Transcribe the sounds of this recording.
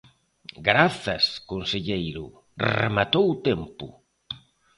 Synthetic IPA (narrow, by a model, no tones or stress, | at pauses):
ɡɾaθɐskonseʎejɾʊ̰ | rḛmat̪owt̪ɛmpʊ̰